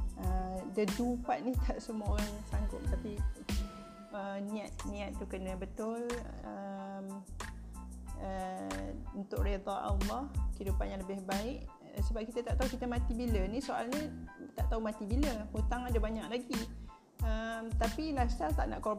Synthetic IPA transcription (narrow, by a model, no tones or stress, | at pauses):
ədədupat̪̚niht̪aʔsəmuəoɾaŋsaŋɡʊp̚t̪api | əniat̪̚nĩat̪̚t̪ukənəbət̪ʊləm | ə | unt̪ʊʔred̪aa̰wlahhidupanjaŋləbɪhbaɪʔ | səbap̚kit̪at̪aʔt̪aukit̪əmãt̪ibilənisoalɲət̪aʔt̪aumãt̪ibiləhut̪aŋadəbaɲak̚laɡi | əmt̪apilasat̪a̰ʔna̰ʔkob